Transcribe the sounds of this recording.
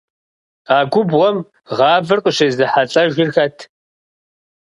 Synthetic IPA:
aːɡʷʊbʁɔm | ʁɑːvɨrqʷʼʊɕezɨħaɬʼɐʒɪrxɐtʰ

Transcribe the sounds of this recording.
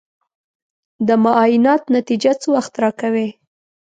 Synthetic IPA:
d̪əmaʔɑjɪnɑt̪nat̪id͡ʒat͡səwaxt̪ɾɑkawe

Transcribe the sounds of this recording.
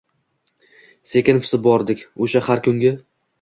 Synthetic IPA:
se̞kʲɪnfʰɪ̥sɪbɒɾd̪ɪkʲoʃahaɾkʰʊŋɡʲa

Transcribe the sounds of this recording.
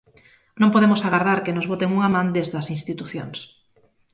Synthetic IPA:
nõmpoðemosaɣaɾðaɾkenozβot̪eŋuŋamãnd̪ezðɐsinst̪it̪uθjo̰ŋs

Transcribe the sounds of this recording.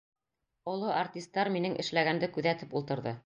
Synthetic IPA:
ŏlˠoʔart̪ʲist̪ːɑɾminɘŋʔɘ̰̆ʃlæɡænd̪ɘkʉðæt̪ɘpulˠt̪ɤ̆ɾðɤ

